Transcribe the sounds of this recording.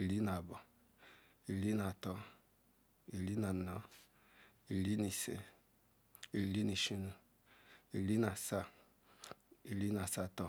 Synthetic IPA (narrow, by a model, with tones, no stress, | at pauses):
i˨li˦na˨bɔ˨ | i˨li˦na˨tɔ˦ | i˨li˦na˨nɔ˦ | i˨li˦ni˨sḛ˦ | i˨li˦ni˨ʃi˦nu˨ | i˨li˦na˨sa˦ | i˨li˦na˨sa˦tɔ˦